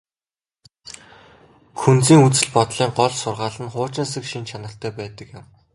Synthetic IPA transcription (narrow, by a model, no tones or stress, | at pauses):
kʰunt͡siːŋut͡sɘ̆ɮpɔt̪ɮiːɴɢɔɮsʊrʁaːɮə̆nχʊːt͡ɕɪ̆ns̬ɘ̆kʃint͡ɕʰanə̆ɬt̪ʰœːpæːt̪ə̆kjɪ̆m